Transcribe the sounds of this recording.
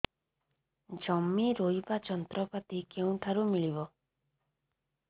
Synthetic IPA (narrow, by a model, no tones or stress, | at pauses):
d͡ʒɔmːiɾojbat͡ʃɔnt̪ɾɔpat̪ikeũʈʰaɾumiɭibɔ